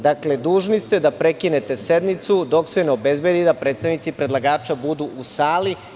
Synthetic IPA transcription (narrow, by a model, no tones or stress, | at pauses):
d̪akle̞d̪uːʒnist̪e̞d̪apɾekine̞t̪e̞sed̪mit̪sud̪o̞kseneobe̞zbe̞d̪id̪apɾe̞ːt̪st̪aʋnit̪sipɾe̞d̪lˠaɡaːt͡ʃabud̪uʔusaːli